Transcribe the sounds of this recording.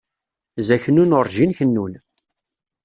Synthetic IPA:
zæçənːunʊɾˤʒinçənːun

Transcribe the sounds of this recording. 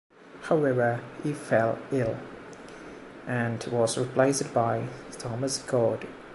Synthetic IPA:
haʊɛvəifɛlˠɪlˠ | ʔə̃nwɒzɹɪpʰl̥eɪsdbaɪtʰɑməsɡɔːd̥

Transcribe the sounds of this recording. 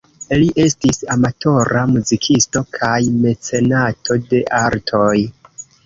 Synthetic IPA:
liʔe̞stisamatʰo̞ɾamuzikʰisto̞kʰajme̞t͡se̞natʰo̞de̞ʔaɾtʰo̞j

